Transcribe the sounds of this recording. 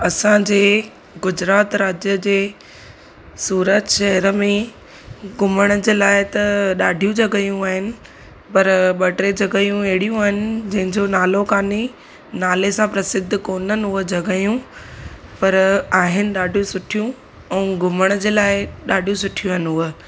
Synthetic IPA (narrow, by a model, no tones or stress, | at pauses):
ɐsãd͡ʑeː | ɡʊd͡ʑɾaːt̪ɾaːd͡ʑjəd͡ʑeː | suːɾət̪ʃɐɦəɾəmẽ | ɡʊməɽ̃əd͡ʑeːlaːɪɪt̪ɐɗaːɖʱijũd͡ʑɐɡəjũaːɦɪnɪ̆ | pɐɾɓɐʈɾed͡ʑɐɡəjũeɦɪɽijũaːɦɪnɪ̆d͡ʑɐ̃ɦɪ̃ɲd͡ʑonaːlokaːni | naːlesãpɾɐsɪd̪ʱːkoːnənɪ̆ɦʊəd͡ʑɐɡəjũ | pɐɾaːɦɪnɪ̆ɗaːɖʱijũsʊʈʰijũ | ɛ̃ːɡʊməɽ̃d͡ʑeːlaːɪɗaːɖʱijũsʊʈʰijũɦɪnɦʊə